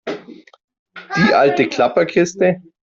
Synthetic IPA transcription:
d̥iːʔaltəkʰl̥apɐkʰɪstə

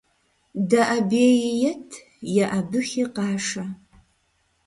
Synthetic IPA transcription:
dɐʔabeːjjɐtʰ | jɐʔabɨχʲiqɑːʂa

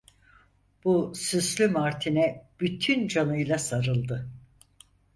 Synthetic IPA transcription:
b̥usyslʲymaɾt̪ʰinɛb̥yt̪ʰynd͡ʒanɯjlˠasaɾɯlˠd̪ɯ

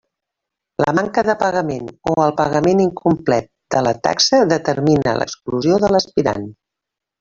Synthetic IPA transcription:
lə̰maŋkəðəpəɣəmenoəlˠpəɣəmeniŋkumplɛt̪̚d̪ələt̪a̰ksəðət̪əɾminə̰lʔə̰kskluzioðələspiɾa̰n

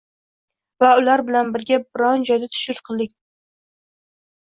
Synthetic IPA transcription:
vaʊlaɾbɪlanbɪɾɡʲabɪɾɒnd͡ʒɒjd̪at̪ʰʊ̥ʃɪlʲqʰɨlˠd̪ɪk̚ʲ

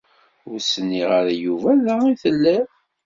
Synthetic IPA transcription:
ʊɾsənːiʁaɾajuvæðaiθəlːæ

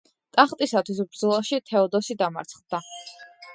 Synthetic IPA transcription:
t̪ʼaχt̪ʼisat̪ʰwisbɾd̪zɔlˠaʃit̪ʰɛɔd̪ɔsid̪ama̰ɾt̪sʰχd̪̥a

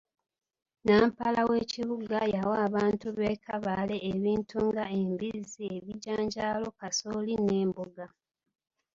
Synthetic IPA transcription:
naːmpalawe̞ːciβuɡajawaːβaːntuβe̞ːkʰaβale̞ːβiːntʰuŋɡaembizie̞βiɟaːɲɟaːlo̞kasoline̞ːmbuɡa

